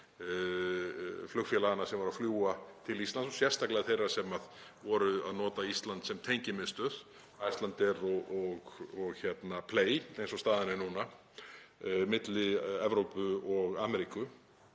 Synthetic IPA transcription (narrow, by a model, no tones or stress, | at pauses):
flʏxfjɛlaɣanːasɛmvaɾaðfljuːat̪ʰɪlist̪land̪sɔsjɛ̥st̪aklɛaθejraɾ̥sɛmaðvɔɾʏa̰ðnɔːt̪aist̪lant̪sɛmt̪ʰejɲcɪmɪðst̪œːð̥ | ajst̪lant̪ɪɾɔɣɔɣɔɣçɛt̪napʰleːjejnsɔst̪aːðɪnɪnuna | mɪt̪lɪɛvɾowpʏɔɣaːmɛɾikʏ